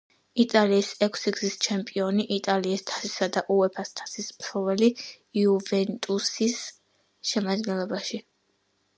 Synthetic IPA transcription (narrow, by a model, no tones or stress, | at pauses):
it̪ʼaliːsɛkʷʰsiɡzist͡ʃʰɛmpʼiɔniʔit̪ʼaliːst̪ʰḁsi̥sad̪aʔuɛpʰast̪ʰḁsispʰɾɔvɛli | iuvɛnt̪ʼusis | ʃɛmad̪ɡɛnlˠɔbaʃi